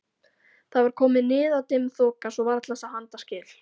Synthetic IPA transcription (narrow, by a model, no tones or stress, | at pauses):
θaðvaɾ̥kʰɔːmɪnɪːðaðt̪ɪmθoːkasɔvaɾat̪lasahant̪ascɪːl